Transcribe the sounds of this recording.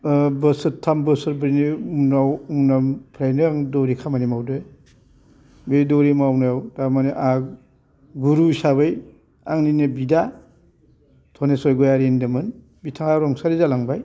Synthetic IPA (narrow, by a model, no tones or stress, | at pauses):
bɯsɯtʰːambɯsɯɾbɯɾniunawunampʰɾajnɯaŋdɔɾikʰamanimawdɯ | bedɔɾimawnajawdamaniʔa | ɡuɾusabɯj | aŋninebida | tʰɔnesɔjɡɔjaɾendɯmɯn | bitʰaŋaɾɔŋsaɾizalaŋbaj